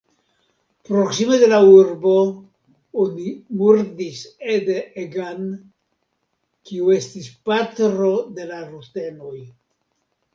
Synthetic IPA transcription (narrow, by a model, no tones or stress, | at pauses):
pɾoksimedelauɾbo | onimuɾd̪ised̪eeɡan | kiuest̪ispat̪ɾod̪e̞larut̪enoj